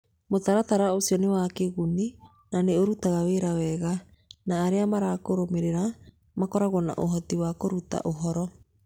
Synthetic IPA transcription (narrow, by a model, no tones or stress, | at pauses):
motaɾataɾaosiɔnewakeɣuni | naneoɾutaɣaweɾawɛɣa | naːɾeamaɾakoɾomeɾeɾa | makɔɾaɣwɔna̰ʔoɦɔtiwakoɾuta̰ʔoɦɔɾɔ